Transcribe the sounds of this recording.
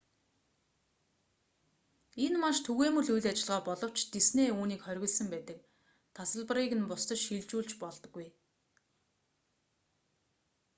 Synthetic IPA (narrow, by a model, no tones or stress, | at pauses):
enmaʃt̪ʰuɣeːmɵ̆ɮujɮat͡ɕɪ̆ɮʁɔːpɔɮɞ̆w̥t͡ɕt̪esneːuːniːkχœɾʲɣʲɪ̆ɮsə̆mpæːt̪ə̆k̚ | t̪ʰasə̆ɮpə̆riːɣɘ̆npʊst̪ə̆ʃxiɮt͡ɕuːɮt͡ɕpɔɮt̪ɞ̆ɡːuj